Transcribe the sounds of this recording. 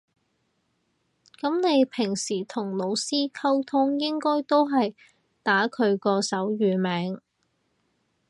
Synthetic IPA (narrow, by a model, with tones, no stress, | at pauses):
kɐ˨˥mne˨˧jpʰɪ˨˩ŋsiː˨˩t̪ʰʊ˨˩ŋlo˨˧wsiː˥kʰɐ˥wt̪ʰʊ˥ŋjɪ˥ŋkɔː˥jt̪o˥wɦɐ˨j | t̪aː˨˥kʰɵ˨˧ɥkɔː˧sɐ˨˥wjyː˨˧mɛː˨˧˥ŋ